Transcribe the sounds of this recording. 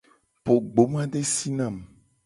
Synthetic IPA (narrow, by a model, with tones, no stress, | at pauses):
po˨ɡ͡bo˨˦mã˦ɖe˦si˦nã˨m